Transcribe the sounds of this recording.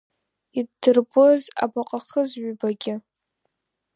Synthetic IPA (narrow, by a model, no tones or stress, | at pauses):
idːɨrboza̰baqʼaχəzʕbaɡʲɪ